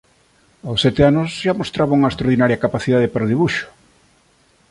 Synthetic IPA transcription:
awsɛt̪eanʊzʃamost̪ɾaβauŋɐest̪ɾaoɾðinaɾjɐkapaθiðaðepaɾoðiβuʃʊ̥

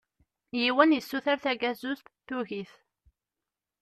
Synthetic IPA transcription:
jiwænjəsːuθæɾθæɡæzust̪θuʝiθ

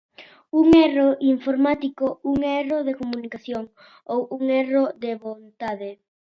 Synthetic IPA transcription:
uŋɛroʔiɱfoɾmat̪ikouŋɛroðekomunikaθjoŋ | owuŋerod̪eβont̪aðɪ

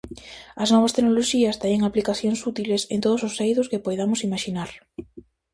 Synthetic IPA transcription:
ɐsnɔβɐst̪eknoloʃiɐst̪ɛɲeŋaplikaθjoŋsut̪ilesent̪oðʊsʊsːejðʊskɪpojðamʊsimaʃinaɾ

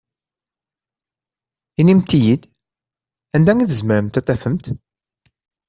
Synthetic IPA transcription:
inimt̪ijid̪ | ænd̪æŋiθəzməɾəmt̪æt̪ˤɑfəmt̪

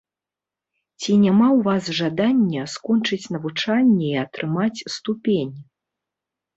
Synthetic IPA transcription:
t͡sʲinʲamawvasʐad̪anʲːɐskɔnt͡ʂɨt͡sʲnɐvut͡ʂanʲːɛiat̪ɾɨmat͡sʲst̪upʲenʲ

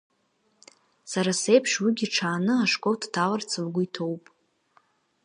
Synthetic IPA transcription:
saɾase̞jpʰʂwiɡʲiʈ͡ʂʰaːnɨaʂkʼowtʰtʰalart͡sʰɨlɡʷʊitʰo̞wpʼ

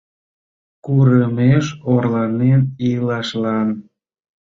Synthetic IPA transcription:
kuɾəmeʃorlɑnenilɑʃlɑn

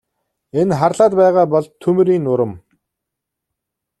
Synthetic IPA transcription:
enχarɮaːt̪̚pæːʁaːpɔɮt̪ʰːɵm̆ɾiːnːʊɾə̆m

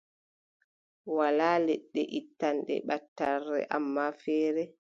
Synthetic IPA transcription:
walaːlɛɗːɛ̰ʔitːanɗɛ̰ɓatːarːɛ̰ʔamːafɛːɾɛ

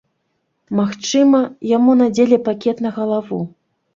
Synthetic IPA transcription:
maxt͡ʂɨmɐjamunad͡zʲelʲɛpakʲɛt̪nɐɣɐlˠavṵ

